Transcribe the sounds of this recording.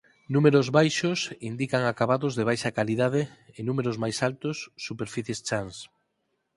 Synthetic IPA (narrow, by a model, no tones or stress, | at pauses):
numeɾozβajʃosind̪ikaŋakaβaðʊzðeβ̞ajʃakaliðað̞ɪɪnumeɾozmajsalt̪ʊsːupeɾfiθjest͡ʃans